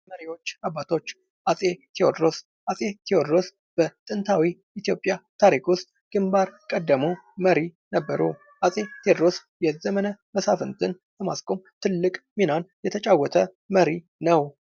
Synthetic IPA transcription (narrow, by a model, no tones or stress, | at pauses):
məɾiwo̞t͡ʃːabːat̪ʰo̞t͡ʃː | ʔasʼe̞t̪ʰeod̪ɾo̞s | ʔasʼe̞t̪ʰeod̪ɾo̞s | b̥ət̪ʼɨnt̪ʰawi | it̪ijo̞pʼːjat̪ʰaɾikwʊst̪ʼɡ̥ɨmbaɾkʼəd̪ːəmuməɾinəbːəɾṵ | ʔasʼe̞t̪ʰed̪ɾo̞s | jɛzəmənəməsafɨnt̪ʰɨn | ləma̰skʼo̞mt̪ʰɨlːɨkʼminanjɛt̪ʰət͡ʃʼawːɔt̪ʰə | məɾi | nəw